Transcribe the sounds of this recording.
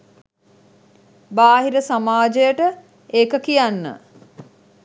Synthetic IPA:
baːɦiɾəsamaːd͡ʒejəʈə | eːkəkijanːə̰

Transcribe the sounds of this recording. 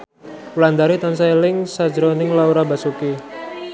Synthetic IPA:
uland̪aɾit̪ansaelɪŋsḁd͡ʒəɾonɪŋlauɾabasuki

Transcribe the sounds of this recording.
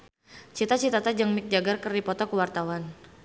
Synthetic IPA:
t͡ʃit̪at͡ʃit̪at̪ad͡ʒaŋmik̚d͡ʒaɡarkərdipɔt̪ɔkəwart̪awan

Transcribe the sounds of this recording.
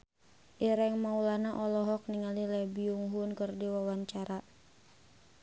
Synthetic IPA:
ʔiɾɛŋmaulanaʔɔlɔɦɔk̚niŋalilɛbiuŋɦunkɨrdiwawaɲt͡ʃaɾa

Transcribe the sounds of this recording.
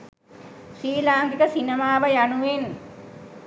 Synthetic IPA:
ʃiːlaːŋɡikəsinəmaːʋəjanuʋen

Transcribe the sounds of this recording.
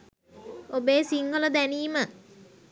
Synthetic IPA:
obeːsiŋɡələd̪æniːmə

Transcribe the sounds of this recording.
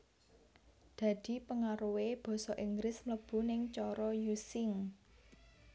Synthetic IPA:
d̪̥ä̤d̪̥i̤pəŋaɾuweb̥ɔ̤sɔʔiŋɡɾɪsmləb̥ṳnɪŋt͡ʃɔɾɔjusɪŋ

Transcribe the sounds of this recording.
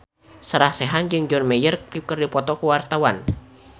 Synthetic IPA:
səɾahsɛɦand͡ʒɨŋd͡ʒɔnmɛjərukərdipɔt̪ɔkəwart̪awan

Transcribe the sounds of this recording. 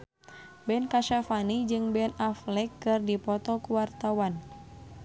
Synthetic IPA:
bɛnkaʃafanid͡ʒɨŋbɛnaflɛkːɨrdipɔt̪ɔkuwart̪awan

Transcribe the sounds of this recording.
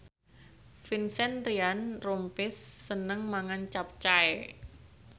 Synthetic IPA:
finsɛnrianrompɪsːənəŋmaŋant͡ʃap̚t͡ʃae

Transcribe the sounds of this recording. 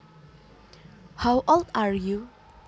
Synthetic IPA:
hawʔɔldaɹju

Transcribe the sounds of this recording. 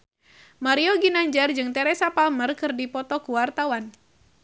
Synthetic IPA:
maɾiɔɡinaɲd͡ʒard͡ʒɨŋt̪ɛɾɛsapalmərkɨrdipɔt̪ɔkuwart̪awan

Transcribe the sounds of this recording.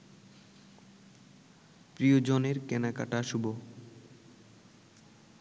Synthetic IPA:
pɾiod͡ʑoneɾkɛnaka̰ʈaʃubo

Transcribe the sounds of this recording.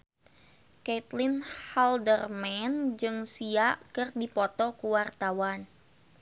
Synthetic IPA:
kɛt̪linhaldərmɛnd͡ʒɨŋsiaʔkɨrdipɔt̪ɔkuwart̪awan

